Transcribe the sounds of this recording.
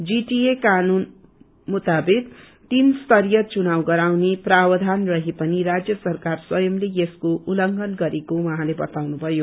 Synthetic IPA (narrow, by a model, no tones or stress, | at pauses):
d͡ziʈiekanun | mut̪abet̪ | t̪inst̪ʌɾijʌt͡sunawɡʌɾawneprabʌd̪ʱanrʌɦepʌniɾad͡zjʌsʌrkarswʌjʌmlejeskoʔulʌŋɡʌnɡʌɾekowʌɦãlebʌt̪awnubʱʌjo